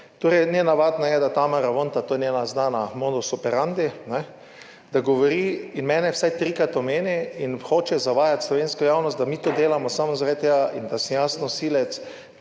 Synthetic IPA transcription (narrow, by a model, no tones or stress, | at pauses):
t̪oɾɛjnʲɛnaʋaːd̪najɛd̪at̪aːmaɾaʋont̪at̪oːjɛnʲɛːnaznaːnamod̪ɔsɔpɛɾand̪inɛ | d̪̥aɡɔʋɔɾiːinmɛːnɛwsajt̪ɾikɾat̪ɔmeːniinxoːt͡ʃɛzaʋaːjat̪slɔʋeːnskɔjaːwnɔst̪d̪amiːt̪oːd̪eːlamɔsamɔzaɾat̪̚t̪ːeɡaʔind̪asmjaːsnɔsilɛt̪s